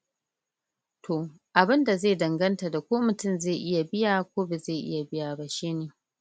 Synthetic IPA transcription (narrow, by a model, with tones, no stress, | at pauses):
tʰo˨ | ʔa˨bɪ˦nda˨zeː˦˨dɐ˨ŋɡɐ˦nta˨da˨kʷoː˦mʊ˨tʊ˦mze˦˨ʔɪ˦ja˨bɪ˦jaː˨kʷoː˦be˨zeː˦˨ʔɪ̰˦ja˨bɪ˦jaː˨ba˨ʃeː˦neː˨